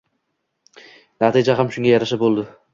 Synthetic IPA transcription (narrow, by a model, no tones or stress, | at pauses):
nat̪ʰid͡ʒaɦamʃʊŋɡajaɾaʃabolˠd̪ɪ